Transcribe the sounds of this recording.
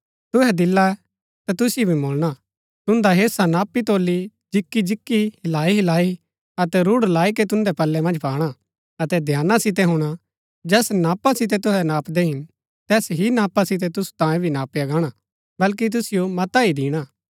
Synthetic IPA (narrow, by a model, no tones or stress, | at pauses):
t̪ʊɦɛd̪ɪlːaɛ | t̪at̪ʊsɪjobʱimoːlɽ̃a | t̪ʊ̃nd̪aɦeːsanaːpːit̪oːlːi | d͡ʒɪkːid͡ʒɪkːihɪlaːiɦɪlaːi | ɐt̪ɛɾʊɽlaːiket̪ʊ̃nd̪ɛpɐlːɛmɐ̃nd͡ʒpaːɽ̃a | ɐt̪ɛd̪ʱjaːnasɪt̪̬ɛɦʊɽ̃a | d͡ʒɛːsnaːpasɪt̪̬ɛt̪ʊɦɛnaːpd̪ɛɦɪn | t̪ɛːsɦinaːpasɪt̪̬ɛt̪ʊsu̥t̪ãːjẽbʱinaːpːiɐɡãːɽ̃a | bɐlk̬it̪̬ʊsɪjomɐt̪aid̪iːɽ̃aː